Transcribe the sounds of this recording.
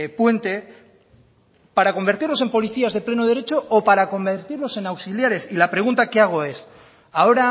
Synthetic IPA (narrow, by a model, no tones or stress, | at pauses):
pwe̞nt̪e̞ | paɾako̞mbe̞ɾt̪iɾlose̞mpo̞liθiazðe̞ple̞noð̞e̞ɾe̞t͡ʃo̞ːpaɾako̞mbeɾt̪iɾlo̞se̞nawsiljaɾe̞silapɾe̞ɣ̞unt̪akeaɣ̞o̞e̞s | ao̞ɾa